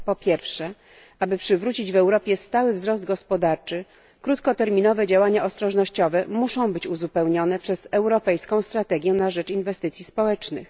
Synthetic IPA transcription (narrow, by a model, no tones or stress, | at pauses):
pɔpʲjɛɾfʂɛ | ʔabɘpʂɘvɾut͡ɕid͡ʑvɛwɾɔpʲjɛst̪awɘvzɾɔzd̪̚ɡɔspɔd̪aɾt͡ʂɘ | kɾut̪kɔt̪ɛɾmʲinɔvɛd͡ʑawaɲaɔst̪ɾɔʐnɔɕt͡ɕɔvɛmuʂɔ̃w̃bɘt͡ɕuzupɛwɲɔnɛpʂɛz̥ɛwɾɔpɛjskɔ̃w̃st̪ɾat̪ɛɡʲjɛnaʐɛt͡ʂinvɛst̪ɘt̪sʲispɔwɛt͡ʂnɘ̰x